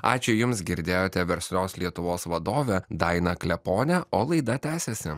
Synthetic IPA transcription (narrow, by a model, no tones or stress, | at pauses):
ɑ̰ːt͡ʃʲʊjʊmsɡʲɪɾʲd̪ʲeːjoːt̪ʲɛʋʲɛɾʲsʲlʲoːslʲiɛt̪ʊʋoːsʋɐd̪oːʋʲɛd̪ɐɪnɐklʲɛpoːnʲɛʔoːlˠɐɪd̪ɐt̪ʲæːsʲɛsʲɪ